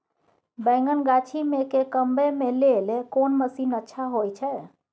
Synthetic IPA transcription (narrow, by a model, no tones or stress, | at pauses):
bɛ̃ŋɡənɡat͡ʃʰimekekəmbemelelekonməsinətːʃʰaɦojt͡ʃʰɛ